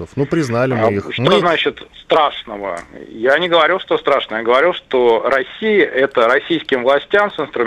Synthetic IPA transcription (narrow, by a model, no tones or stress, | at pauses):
əfnupɾʲɪznalʲɪmixʂt̪onat͡ɕɪt̪st̪ɾaʂnəvə̰janʲɪɡəvɐɾʲilˠʂt̪ost̪ɾaʂnəjɡəvɐɾʲilˠʂt̪oɾɐsʲijɪʔɛt̪əɾɐsʲijskʲɪmvlˠɐsʲtʲamsɨnst̪ɾʊ